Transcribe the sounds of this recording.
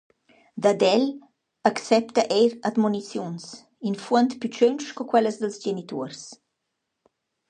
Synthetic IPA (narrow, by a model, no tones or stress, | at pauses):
d̪ad̪ɛl | aksɛpt̪aʔejɾad̪munit͡sjuns | infuənt̪pyt͡ʃøwnʃkɔkwɛləsd̪əlzd͡ʒenit̪uɾs